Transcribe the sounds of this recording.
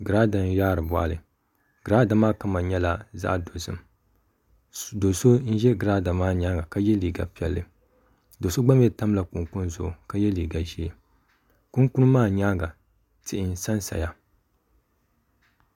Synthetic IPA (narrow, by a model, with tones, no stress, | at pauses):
ɡɨ˨ɾa˦da˨n˦jaː˦ɾɨ˨bɔ̰˨a̰˨lɨ˨ | ɡ̥ɨ˨ɾa˦da˨maː˦ka˦ma˨ɲɛ˦la˦za̰˦ʔdo˨zɨ̰˨m | do˨so˦n̩˦ʒɛ˦ɡɾaː˦da˨maː˦ɲa˦ɡa˨ka˦jɛ˦liː˨ɡa̰˨pi˦ɛ˨lːɨ˨ | do˨so˦ɡ͡ba˦m˦jɛ˦ta˦m˦la˨ku˨ŋku˦n˦zʊ˨ʔʊ˨ka˦jɛ˦liː˨ɡa˨ʒi˦e˨ | ku˦ŋku˦n˦maː˦˨ɲaː˦ɡa˨ | tɪ˨ʔɪ˨n˦sa˦nsa̰˨ja˦